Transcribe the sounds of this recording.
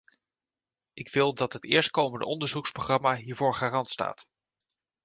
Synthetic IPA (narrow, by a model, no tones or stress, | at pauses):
ɪkʋɪlˠdɑtɦətɪːɹst̚kowməndə̰ʔɔndəɹzuksproχrɑmaɦiːɹvoːɹχaːrɑntsta̰ːt